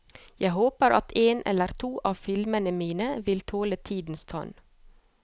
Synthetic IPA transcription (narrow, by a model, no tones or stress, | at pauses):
jæɪɦoːpəɾɑt̪ʰeːnʔɛ̰ləɾt̪ʰuːʔɑːfɪlmənəmiːnəʋɪlt̪ʰoːlət̪ʰiːd̪n̩st̪ʰɑ̰n